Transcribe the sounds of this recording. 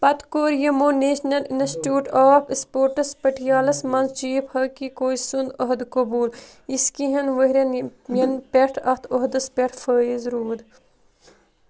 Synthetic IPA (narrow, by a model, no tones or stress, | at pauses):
pɐt̪koːɾjɐmoːneːʃnɐlinsʈjuːʈaːfspoːɾʈɐspəʈʰjaːlɐsmɐnzt͡ʃiːphɐkikoːisund̪ɐɦd̪kɐbuːl | iskiɦɐnʋəɦɾʲɐnjɐnpeʈʰɐht̪ʰoɦd̪ɐspeʈʰfəːizɾuːd̪